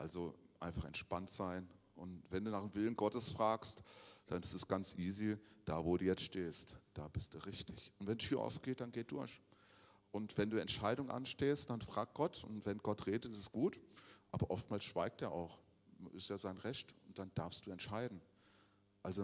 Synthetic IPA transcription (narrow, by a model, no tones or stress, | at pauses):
ʔalzoʔa̰ɪnfaχɛ̰ntʃpantz̥aɪn | ʔʊntv̥ɛnduːnaːχdemvɪlən̩ɡɔtəsfʁ̥aːkstd̥anɪstɛsɡ̥ant͡sʔiːzid̥aːvoːduːjɛt͡stʃteːstd̥aːbɪstd̥uːʁɪçtɪçʊntv̥ɛnʃiːɐʔɔ̰ʊfɡ̥eːt̚d̥anɡeːt̚d̥ʊɐç | ʔʊntv̥ɛnduːɛntʃaɪdʊŋʔa̰nʃteːstd̥anfʁ̥aːk̚ɡ̥ɔtʰʊntv̥ɛnɡɔtʁeːdəɪɪsɡ̥uːtʔaːbɐʔɔft̚maːlsʃv̥aɪk̚tdeːɐʔa̰ʊx | ɪstjaːzaɪnʁɛçtʊnt̚d̥and̥aɐfstd̥uːɛntʃaɪdn̩ | ʔalzo